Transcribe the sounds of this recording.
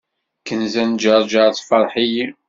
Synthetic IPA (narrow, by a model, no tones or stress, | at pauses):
kənzænd͡ʒəɾˤd͡ʒɑɾˤt͡sːfɑɾˤħiji